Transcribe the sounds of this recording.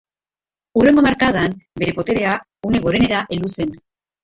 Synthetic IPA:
ure̞ŋɡomaɾkaðanbe̞ɾe̞po̞t̪e̞ɾe̞a | une̞ɣo̞ɾe̞ne̞ɾaʔe̞ld̪use̞n

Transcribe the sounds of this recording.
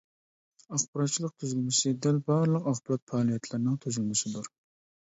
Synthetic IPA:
ɑχbəɾɑt̪t͡ʃʰilˠəq̚t̪ʰyzylmɪsɪd̪ɛlbɑːɾlˠəqɑχbɨɾɑt̪̚fɑlˠijɛt̪ʰlɪɾnɪŋt̪ʰyzylmɪsɪd̪uɾ

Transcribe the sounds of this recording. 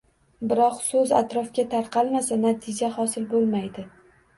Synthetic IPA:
bɪɾɒqsɵza̰t̪ɾɒfkʲat̪ʰaɾqʰɑlˠmasanat̪ʰɪd͡ʒahɒsɪlbolˠmajd̪ɪ

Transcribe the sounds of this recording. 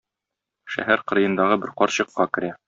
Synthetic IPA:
ʃæ̰ɦæɾqɤ̆ɾɤ̆jɤ̆nd̪ɑʁɤbɘɾqɒɾɕɤ̆qːɑkɘ̆ɾæ

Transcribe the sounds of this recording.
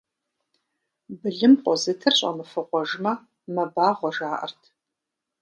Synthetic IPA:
bɨɮɨmqʼɔzɨtʰɨrɕʼɐ̰mɨfɨqʷɔʒmɐ | mɐbaːʁʷɔʒaːʔɐ̰rtʰ

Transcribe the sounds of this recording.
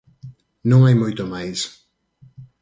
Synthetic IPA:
nɐ̃w̃ajmujt̪omajs

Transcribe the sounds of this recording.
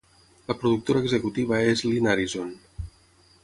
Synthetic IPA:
ləpɾuðuk̚t̪oɾaːɡzəkut̪iβəezlinaɾizon

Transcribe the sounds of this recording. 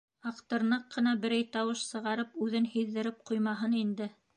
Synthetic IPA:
ɑqt̪ɤ̆ɾnɤqːɤ̆nɑbɘ̆ɾæjt̪ɑwɤʃsɤ̆ʁɑɾɤpʉðɘnhiðːɘ̆ɾɘp̚qujmɑɦɤnind̪ɘ

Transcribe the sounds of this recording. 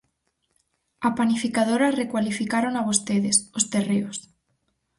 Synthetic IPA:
apanifikað̞oɾarekwalifikaɾoŋaβ̞ost̪eðesost̪ereos

